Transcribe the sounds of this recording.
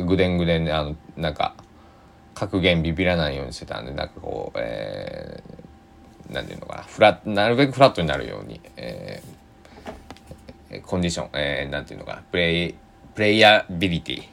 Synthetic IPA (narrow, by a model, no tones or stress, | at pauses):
ɡɯ̟d̪ẽ̞ŋɡɯ̟d̪ẽ̞nːeano̞nãŋka̰ | kʰakɯ̟ɡẽ̞mbʲibʲiɾanaijo̞ːɲ̟iɕi̥t̪e̞t̪a̰nd̪e̞nã̰ŋkako̞̰ːḛ | nãnt̪ḛiɯ̟̰̃noka̰naɸɯ̟ɾatnaɾɯ̟be̞kɯ̟ɸɯɾat̪ːo̞ɲinaɾɯ̟jo̞̰ːɲ̟ḭḛː | kʰõ̞ɲ̟d͡ʑiɕõ̞̰ŋenãnt̪eiɯ̟noka̰napɯ̟ɾe | pɯ̟ɾe̞iabʲiɾʲit̪ʲḭ